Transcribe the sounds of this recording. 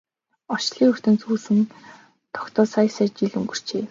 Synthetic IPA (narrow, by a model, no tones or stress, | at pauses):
ɔt͡ɕɮiːŋɵr̥ʲt̪ɘ̆nt͡suːsɘ̆n | t̪ʰɔ̥kt̪ɔːsajsæt͡ɕiɮuŋɡɵ̆r̥t͡ɕeː